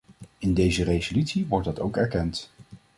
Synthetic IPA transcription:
ɪndejzərejzolytsiʋɔɹdɑtowkɛɹkɛnt

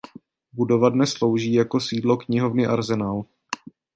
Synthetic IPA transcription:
budo̞vadnɛslo̞wʒiːjako̞siːdlo̞kɲɪɦo̞vnɪʔaɾzɛnaːl

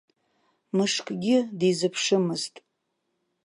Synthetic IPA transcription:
mɨʂkʼɡʲɪdizɨpʰʂɨmɨztʼ

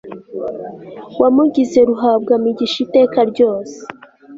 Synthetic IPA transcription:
wamuɟize̞ɾuɦab̚ɡamiɟiʃite̞ːkaɾɟo̞ːse̥

